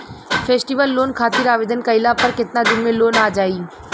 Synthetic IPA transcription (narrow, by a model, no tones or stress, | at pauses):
fʰeːsʈiːʋəlːoːnkʰaːt̪ɪɾaːʋeːd̪ʱənkɐɪlapɐɾkɪt̪nad͡ʒʊmːeloːnaːd͡ʒaːiː